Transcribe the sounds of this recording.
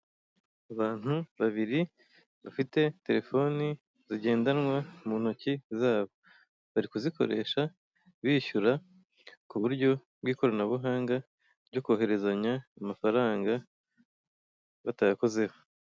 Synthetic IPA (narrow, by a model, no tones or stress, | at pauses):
aβaːn̥huβaβiɾi | βafite̞te̞ɾe̞fo̞ni | ziɟe̞ːndanŋwamun̥ocizaːβo̞ | βaɾikuziko̞̰ɾe̞̰ːʃa | βiːʃuɾa | kuβuɾɟo̞ | bɡiːko̞ɾanaβuɦaːŋɡa | ɾɟo̞koːɦe̞ɾe̞zaɲaːmafaɾaːŋɡa | βatajako̞ze̞ho